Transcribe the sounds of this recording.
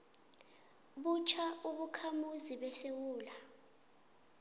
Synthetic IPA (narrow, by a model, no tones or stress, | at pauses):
ɓut͡ʃʰauɓukʰamuziɓɛsewuːla